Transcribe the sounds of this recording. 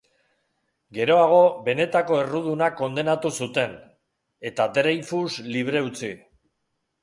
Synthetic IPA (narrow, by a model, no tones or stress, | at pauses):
ɡe̞ɾo̞aɣ̞o̞βe̞ne̞t̪ako̞e̞ruð̞unako̞nd̪e̞nat̪usut̪e̞n | e̞t̪at̪ɾejfusliβ̞ɾe̞ut͡si